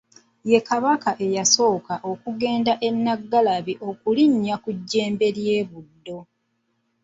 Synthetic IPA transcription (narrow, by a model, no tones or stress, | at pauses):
je̞kaβakaʔe̞jaso̞ːkaʔo̞kuɡe̞ːndaʔe̞nːaɡːalaβiʔo̞kuliɲːakuɟːe̞ːmbe̞ɾje̞ːβudːo̞